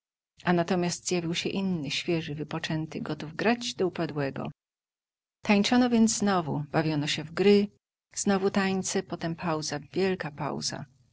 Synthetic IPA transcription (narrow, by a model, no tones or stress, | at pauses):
ʔanat̪ɔmʲjasd̪zjavʲiwɕɛʔinːɘɕfʲjɛʐɘvɘpɔt͡ʂɛnt̪ɘɡɔt̪uvɡɾad͡ʑd̪ɔupad̪wɛɡɔ̰ | t̪aɲt͡ʂɔnɔvʲjɛnd̪zznɔvub̥avʲjɔnɔɕɛvɡɾɘ | z̥nɔvut̪aɲt̪sɛpɔt̪ɛmpʰawzavʲjɛlkapa̰wza̰